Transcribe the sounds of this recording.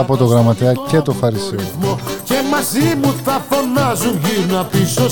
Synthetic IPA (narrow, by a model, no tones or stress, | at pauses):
ɐpot̪oɣɾɐmɐt̪eɐcet̪ofɐɾisiɐmcemɐzimuθɐfo̞nɐzunʝiɾnuɐpiso